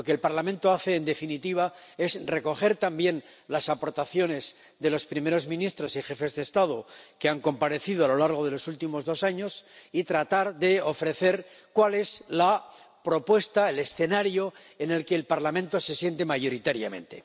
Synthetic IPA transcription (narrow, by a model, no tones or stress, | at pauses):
oke̞ːlpaɾlamẽnt̪o̞aθe̞ːnd̪e̞finit̪iβ̞ae̞szre̞ko̞χe̞ɾt̪ambje̞n | lasapo̞ɾt̪aθjo̞ne̞z | ðe̞lo̞spɾimeɾo̞zmĩnist̪ɾo̞sixe̞fe̞zðest̪að̞okeaŋko̞mpaɾe̞θiðoalo̞laɾɣ̞o̞ðe̞lo̞sult̪imo̞zðo̞saɲo̞sit̪ɾat̪aɾðe̞o̞fɾe̞θe̞ɾ | kwale̞sla | pɾo̞pwe̞st̪aele̞sθe̞naɾjo̞ | ene̞lkeːlpaɾlamẽ̞nt̪o̞se̞sje̞nt̪e̞maʝo̞ɾit̪aɾjamẽ̞̰nt̪e̞̰